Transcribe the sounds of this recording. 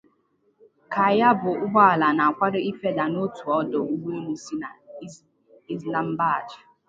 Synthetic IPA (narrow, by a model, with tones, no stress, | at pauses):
ka˨ja˦bʊ˨ʔʊ˦ɡ͡bɔ˦a˨la˨na˨a˨kʷa˦ɾɪ˦i˦fe˦da˨no˦tu˨ɔ˦do˨u˦ɡ͡be˦li˨si˦na˨˦ | i˦zla˦m̩˦ba˦˨d͡ʒɪ˨